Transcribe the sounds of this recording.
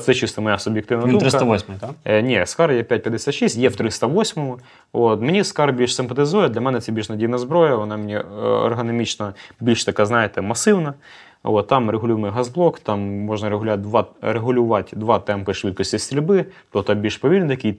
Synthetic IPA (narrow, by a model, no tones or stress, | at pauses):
t̪sɛt͡ʃist̪ɐmɐjasʊbʲjɪkt̪ɪʋnɐd̪umɾɪsɐɐʋosʲmʊjt̪anʲiskaɾjapʲæt̚ʲpʲjɐd̪esʲat̪ʃisʲtʲjɛwt̪ɾɪst̪ɐʋosʲmɔmʊ | ot̪mɪnʲiskaɾbʲilʲʃsɪmpɐt̪ɪzujɛd̪lʲɐmɛnɛt̪sɛbʲilʲʃnɐdʲiwnɐzbɾojɐʋɔnamʲɪnʲiɔ̰rɦɐnɐmʲit͡ʃnɐbʲilʲʃt̪ɐkaznajet̪ɛmɐsɪwnɐ | ʔot̪ːamɾeɦʊlʲujɪmɨjɦɐzblˠokt̪amːoʐnɐɾeɦʊlʲʊat̚ʲd̪ʋaɾeɦʊlʲʊʋatʲd̪ʋɑt̪ɛmpɪʂʋɨt̪̚kɔsʲtʲisʲt̪ɾʲɪlʲbɪt̪ot̪ɐbʲilʲʃpɐʋʲilʲnɪt̪ɐkʲij